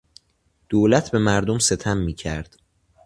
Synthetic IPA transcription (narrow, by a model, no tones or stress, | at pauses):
d̪̥oːlæt̪ʰbe̞mæɾd̪omse̞t̪ʰæmːiːcʰæɾd̪̥